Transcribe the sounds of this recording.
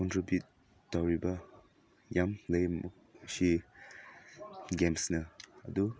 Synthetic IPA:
kɔntɾibjut̚ː | awɾibɐ | jamlɐjm | si | ɡemsnɐɐd̪u

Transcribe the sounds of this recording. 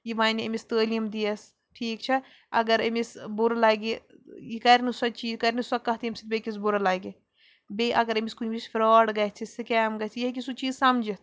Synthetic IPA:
jibaːniɐmist̪əːlijɐmd̪iɐs | ʈʰiːkt͡ʃʰɐ | ɐɡɐɾɐmisbuɾlɐːɡijikɐɾnisɐt͡ʃiːzkɐɾnisɐkːɐɦt̪iɐmʲsit̪̚bʲekisbuɾɐlɐːɡi | beʔɐɡɐɾɐmiskunʲbisfɾɔːɽɡɐt͡sʰisikɛːmɡɐt͡sʰijɐɦk̬isut͡ʃiːzsɐmd͡ʒit̪ʰ

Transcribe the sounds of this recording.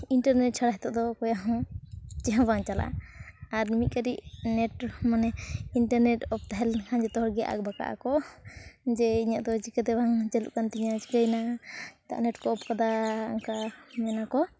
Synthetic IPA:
iɳʈaɾnɛʈ̚t͡ʃʰaɽaɦɛt̪ɔʔd̪ɔkɔjaɦɔ̃t͡ʃɛɦãbʱaŋt͡ʃala̰aɾmit̪̚kaɾiʔnɛʈmanɛiɳʈaɾnɛʈɔp̚t̪aɦɛlhaɲd͡ʒɛt̪ɔɦɔɽɡɛja̰ʔa̰k̚baka̰ʔa̰kɔ | d͡ʒɛiɲaʔd̪ɔt͡ʃikət̪ɛbʱaŋd͡ʒɛlṵʔkant̪iɲat͡ʃi̥kajnat̪a̰ʔnɛʈkɔɔpkad̪aaŋkamɛnakɔ

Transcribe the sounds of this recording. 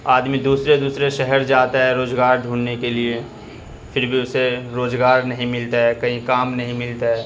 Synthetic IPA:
aːd̪mĩd̪uːsɾed̪uːsɾeʃɛɦɛɾd͡ʒaːt̪aɦɛɾoːzɡaːɾɖʱuːnnekelie | fʰɪɾbʱiʊseɾoːzɡaːɾnɐɦĩmɪlt̪aɦɛːkɐɦĩkaːmnɐɦĩmɪlt̪aɦɛː

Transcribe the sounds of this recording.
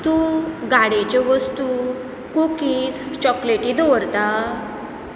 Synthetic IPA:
t̪ũɡaɽet͡ɕeʋəst̪u | kokiːt͡st͡ɕɔkleʈĩd̪ɔʋɾt̪a

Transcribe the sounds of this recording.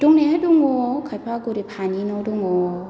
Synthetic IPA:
d̥ʊŋnɛdʊŋɔkʰapʰaɡoɾepʰaninɔdʊŋɔ

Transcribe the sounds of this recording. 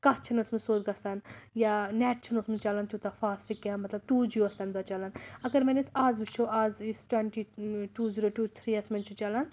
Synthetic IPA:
kat͡ʃʰɐnɐsmɨsoːd̪ɡɐst̪anjanɛːʈt͡ʃʰɐnɐsmɐnt͡ʃaːlant̪ʰjut̪afaːsʈikːʲamɐt̪lɐb̚ʈuːd͡ʒjuɐst̪aːnd̪at͡ʃalanɐɡɐɾmenisaːzbit͡ʃʰoaːzisʈweɳʈiʈuːziɾoːʈuːt̪ʰɾiːɐsmɐnt͡ʃʰut͡ʃalan

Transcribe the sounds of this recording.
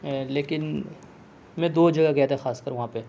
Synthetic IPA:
leːkɪn | mɛ̃d̪oːd͡ʒɐɡaɡɛet̪ʰexaːskəɾʋɐɦãpe

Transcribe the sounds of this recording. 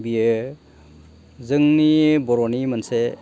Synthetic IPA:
bije | zɯŋnibɔɾɔnimanse

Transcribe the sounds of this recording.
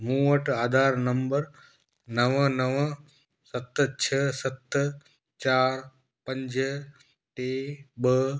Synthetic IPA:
mũəʈaːd̪ʱaːɾnɐmbəɾ | nəʋənəʋə | sɐt̪t͡ʃʰəsɐt̪ | t͡ʃaːɾ | pə̃ɲd͡ʒ | ʈebə

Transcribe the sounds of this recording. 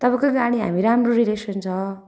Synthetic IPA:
t̪ʌbãkoɡaɽ̃iɦa̰miɾamroɾilesʌnt͡sʰʌ

